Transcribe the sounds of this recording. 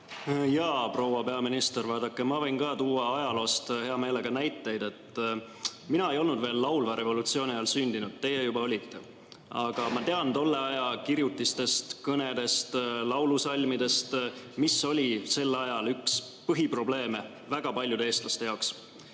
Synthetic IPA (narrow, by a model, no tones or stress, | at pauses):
jɑːpro̞wɑpe̞ɑminist̪ervɑːd̪ɑkːˑemɑvɤ̞jnkɑːt̪uːɑɑjɑlo̞ːst̪he̞ɑme̞ːle̞ɡ̥ɑnæjt̪ːˑe̞jd̪̥e̞t̪ːˑ | minɑe̞jo̞lnud̪ve̞ːlːɑwlvɑɾe̞vo̞lut̪sio̞ːnʲiɑjɑlsynʲd̪inud̪̥t̪ːe̞jejubɑo̞lʲit̪ːe̞ | ɑɡ̥ɑmɑt̪e̞ɑnd̪o̞lːe̞ɑjɑkiɾjut̪ːˑist̪e̞st̪kɤne̞d̪̥e̞st̪lɑwlusɑlʲmid̪e̞st̪misːo̞lʲise̞lːɑjɑlyks | pɤɦipro̞ble̞ːme | væɡ̥ɑpɑlʲjud̪eeːst̪lɑst̪e̞jɑoks